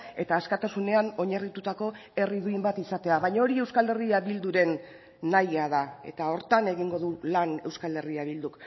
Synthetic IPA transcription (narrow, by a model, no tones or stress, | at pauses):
e̞t̪aːskat̪asune̞ano̞ɲarit̪ut̪ako̞e̞riðuimbat̪isat̪e̞aβaɲao̞ɾie̞wskale̞riaβild̪uɾe̞nː | ajaðae̞̰t̪ao̞ɾt̪ane̞ɣiŋɡo̞ðulane̞wskale̞riaβild̪uk